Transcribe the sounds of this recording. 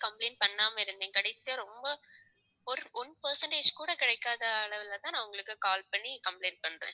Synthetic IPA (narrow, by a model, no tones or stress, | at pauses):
kɐmplɐɪnpɐɳːaːmɐɪɾɯnd̪ẽŋkɐɽɐɪsɪjɐɾɔmbɐ | ɔɾɔnpɐɾsɐɳʈeːd͡ʒkuːɽɐkɪɽɐɪkːaːðɐːɭɐʋɪlt̪ãːnɐʋʊŋɡɐɭɯkːɯkaːlpɐɳːikɐmpleɪn̚pɐɳːɾḛ̃ː